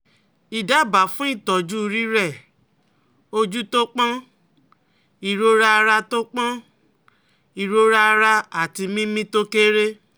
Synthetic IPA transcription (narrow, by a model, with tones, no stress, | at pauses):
i˨da˨˦˨ba˨fũ˦i˦˨tɔ˨d͡ʒu˦˧ɾi˦ɾɛ˦˨ | o˧d͡ʒu˦to˦k͡pã˦ | i˨ɾo˦ɾa˧ɾa˧to˦k͡pã˦ | i˨ɾo˧˦ɾa˦˧ɾa˧a˨ti˧mĩ˦mĩ˦to˦ke˦ɾe˦